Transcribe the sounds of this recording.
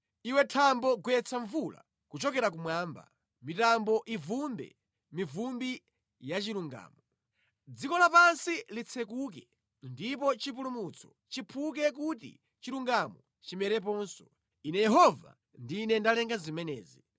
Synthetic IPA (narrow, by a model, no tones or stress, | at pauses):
iwɛtʰambɔɡuɛt͡sʰaɱvula̰ | kut͡ʃɔkɛɾakumwaːmba̰ | mitambɔʔivumbɛ̰ | mivumbi | jat͡ʃiɾuŋɡa̰ːmɔ | d͡zikɔlapansilit͡sʰɛkukɛ | ndipɔt͡ʃipulumut͡sʰɔ̥ | t͡ʃipʰuk̬ɛk̬utḭ | t͡ʃiɾuŋɡamɔ | t͡ʃimɛɾɛp̬ɔːnsɔ̥ | inɛjɛɦɔva̰ | ndiːnɛndalɛŋɡazimɛnɛːzi